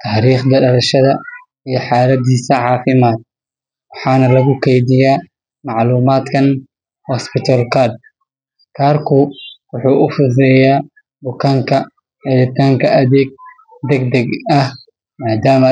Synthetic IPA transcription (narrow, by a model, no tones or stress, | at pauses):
t̪ʰaːɾiːχd̪ɐɖɐɾɐʃɐðɐ | ijɞħɑːlɐd̪iːsɐʕɑːfɪmaːd̪̚ | wɑħɑːnɐlɐɣʊkʰɛjdɪjaː | mɑʕluːmaːd̪kʰɐn | wɔspɪt̪ʰɐlkʰad̪̚ | kʰaːrkʰʊwʊħuːʔʊfʊs̬ɛːjaː | bʊkʰɐŋkʰɐ | ʕɪðɪt̪ʰaːŋkʰɐʔɐðɛːɡ̚ | d̪ɛɡd̪ɐɡɐh | maːd̪aːmɐ